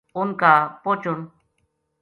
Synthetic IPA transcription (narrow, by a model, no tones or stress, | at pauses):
ʊŋkapot͡ʃʊn